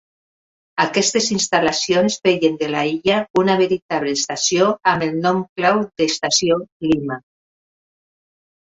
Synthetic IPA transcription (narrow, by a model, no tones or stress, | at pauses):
akɛst̪ezinst̪alasionsbeʎend̪elaiʎaunaβeɾit̪aβleːst̪asjoamelˠnɔmklawd̪est̪asiolima